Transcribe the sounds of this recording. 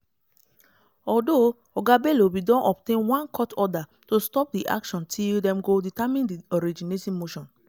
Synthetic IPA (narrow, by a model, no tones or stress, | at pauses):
ɔdo | ɔɡabelobidɔ̃nʔɔp̚tẽnwãnkʰɔtɔda | tostɔp̚diʔa̰kʃɔ̃ntʰildɛ̃mɡoditamĩndiɔɾid͡ʒinetɔ̃mːoʃɔ̃n